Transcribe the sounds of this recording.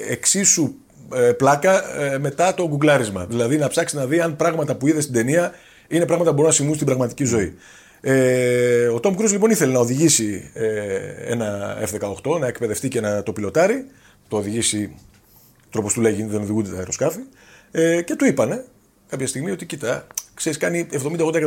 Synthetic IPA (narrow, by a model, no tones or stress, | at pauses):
eksisu | eplɐkɐme̞t̪ɐt̪o̞ɡuɡlɐɾizmɐ̰ðilɐðinɐpsɐksinɐðiɐnpɾɐɣmɐt̪ɐpuiðe̞st̪id̪e̞niɐ | ine̞pɾɐɣmɐt̪ɐubo̞ɾunɐsimunst̪ibɾɐɣmɐt̪i̥cizo̞i | e | o̞t̪omkɾuzlipo̞niθe̞le̞nɐo̞ðiʝisi | e̞̰nɐefðe̞kɐo̞xt̪o̞nɐe̞kpe̞ðe̞ft̪iceenɐt̪o̞pilo̞t̪ɐɾi | t̪oːðiʝisi | t̪ɾo̞post̪uleʝiðe̞no̞ðiɣund̪et̪ɐeɾo̞skɐfi | ece̞t̪uipɐne̞ | kɐpçɐst̪iɣmio̞t̪icit̪ɐkse̞ɾiskɐnievðo̞mind̪ɐd̪ɐkɐ